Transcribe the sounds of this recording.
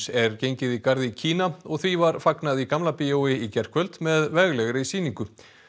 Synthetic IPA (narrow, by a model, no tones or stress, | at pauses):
sɛɾcejɲcɪðikaɾðɪcʰiːnaɔɣθvivaɾfaknaðikamlapiowɪicɛr̥kʰvœlt̪mɛðvɛɣlɛɣɾɪisiːniŋkʏ